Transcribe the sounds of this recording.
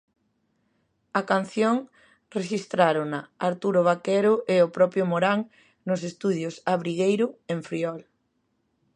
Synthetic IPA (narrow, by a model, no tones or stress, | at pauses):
akan̟θjoŋ | reʃist̪ɾaɾʊŋnaːɾt̪uɾoβ̞akɛɾʊʔeopɾɔpɾjomoɾaŋ | nʊsest̪uðjosaβɾiɣejɾʊeɱfɾiɔl